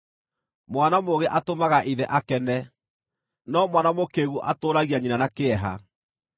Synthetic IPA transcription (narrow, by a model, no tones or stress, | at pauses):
mwanamoɣeʔatomaɣaʔiðɛʔakɛnɛ | nɔmwanamokeɣuʔatoːɾaɣiaɲinanakeɛɦa̰